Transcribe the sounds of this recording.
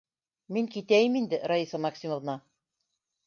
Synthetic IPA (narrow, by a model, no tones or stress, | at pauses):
miŋkit̪æjɘmind̪ɘɾaisɑmɑksʲimə̆vnɑ